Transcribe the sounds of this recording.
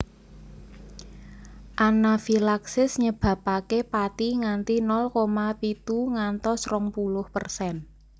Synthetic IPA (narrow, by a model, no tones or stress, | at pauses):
ʔanafilaksɪsɲəb̥ä̤pakepat̪iŋant̪inɔlkomapit̪uŋant̪ɔsrɔŋpulʊhpərsɛn